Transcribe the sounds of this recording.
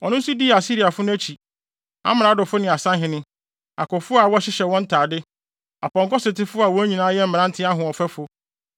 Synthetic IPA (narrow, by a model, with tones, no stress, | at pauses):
ɔ˨nʊ̃˦n˦su˦di˦˨a˨si˦ɾi˨a˨fʊ˦nʊ̃˦æ˦t͡ɕʰi˨ | a̰˦m˨ã˨˦dʊ˨fʊ˦nɪ̃˨a˨sã˦ɦɪ̃˨nɪ̃˦ | a˨kʰɔ˨fʊ˦a˨wɔ˦ɕɪ˦ɕɛ˨wɔ̃˦n̩˦tʰaː˨dɪ˦ | a˨pɔ̃˨ŋkɔ˦sɪ˨tɪ˦fʊ˦a˨wɔ̃˦æ˦ɲĩ˨nãː˦jɛ˦m̩˦mɪ̃˨ã˦n̩˦tʰɪ˦a˦ɦʊ̃˨ɔ˨fɛ˦fʊ˨˦